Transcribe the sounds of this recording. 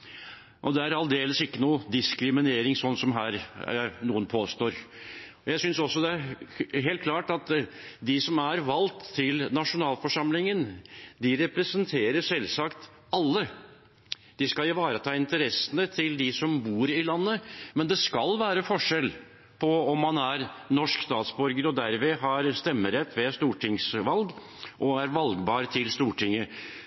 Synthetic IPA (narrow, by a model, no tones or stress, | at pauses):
ʔɔd̪ɛæɾɑld̪eːləsɪkːənuːd̪ɪskɾɪmɪneːɾɪŋsɔnːsɔmɦæːɾænuːənpʰoːst̪oːɾɔjæɪsʏnsɔsːɔd̪ɛæɾɦeːlt̪̚kʰlɑːʈɑt̪d̪ɪsɔmæɾʋɑlt̪ʰːɪlnɑʂʊnɑːlfɔʂɑmlɪŋənd̪ɪɾɛpɾəsənt̪ʰeːɾəʂɛlsɑkt̪ | ɑlːə | d̪̥ɪskɑlɪʋɑːɾət̪ʰɑːɪnt̪əɾɛsːənət̪ʰɪld̪ɪsɔmbuːɾɪlɑnːəmɛnd̪ɛskɑlʋæːɾəfɔʂɛl | pʰɔɔmːɑnæɾnɔʂkst̪ɑːt̪sbɔɾɡəɾɔd̪æɾʋɛːɦɑɾst̪ɛmːəɾɛt̪ʰːʋɛst̪uːʈʰɪŋsʋɑlɡ | ʔɔæɾʋɑlɡbɑːɾt̪ʰɪlst̪uːʈʰɪŋːə